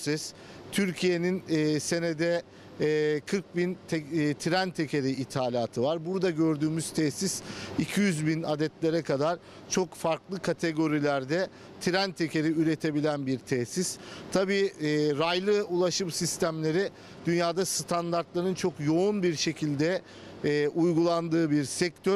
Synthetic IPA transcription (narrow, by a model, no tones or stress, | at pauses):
sɛs | t̪ʰyɾcʰije̞ninːse̞ne̞d̪ɛː | kʰɯɾk̚bint̪ʰɛt̪ʰiɾænt̪ʰe̞cʰe̞ɾiit̪ʰaːlʲaːt̪ʰɯvaɾbuɾd̪aɟø̞ɾd̪yːmyz̥t̪ʰɛsisicʰijyzbinad̪ɛt̪lʲe̞ɾɛkʰad̪aɾ̥ | t͡ʃʰo̞kfaɾklˠɯkʰat̪ʰe̞ɡo̞ɾilʲæɾd̪ɛ | t̪ʰiɾænt̪ʰe̞cʰeɾiyɾe̞t̪ʰe̞bilʲænbiɾt̪ʰɛsist̪ʰabiːɾajlˠɯulˠaʃɯmsist̪ʰæmlʲe̞ɾɛ | d̪̥ynjaːd̪ast̪ʰand̪aɾt̪lˠaɾɯnt͡ʃʰo̞kjo̞unbiɾʃe̞cʰilʲd̪ɛː | ʔujɡulˠand̪ɯːbiɾsɛc̚t̪ʰøɾ